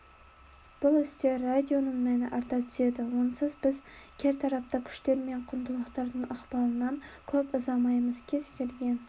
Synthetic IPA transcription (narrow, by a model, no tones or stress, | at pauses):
b̥ʊlˠʏst̪e̞ːad̪ʲjo̞nəɴmænɪʔɑɾt̪ɑt̪ʰʏ̥se̞d̪ɪwo̞nsəzbɪzkʲʰe̞ɾt̪ʰɑɾɑp̚t̪ɑkʲʰʏ̥ʃt̪e̞ɾme̞ɴqʰʊnd̪ʊlˠəqt̪ɑɾd̪əɴɑqbɑlˠənɑŋkʲʰɵpʊzɑmɑjməzkʲʰe̞zkʲʰe̞lɡʲe̞n